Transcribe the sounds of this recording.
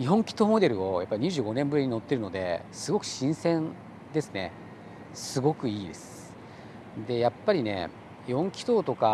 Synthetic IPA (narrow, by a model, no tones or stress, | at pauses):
iɦõ̞ŋkʲi̥t̪o̞ːmo̞d̪e̞ɾɯ̟o̞japːaiɲ̟iʑɨːɡo̞nẽ̞mbɯ̟ɾʲiɲ̟ino̞t̪ːe̞ɾɯ̟no̞d̪e̞̰sɨɡo̞kɯ̟̥ɕĩɰ̃sẽ̞n | d̪e̞sɨne̞̰ | sɨɡo̞kɯ̟iːd̪e̞sɨ̥ | d̪e̞japːaɾʲine̞̰ | ihõ̞ŋkʲi̥t̪o̞ːt̪o̞ka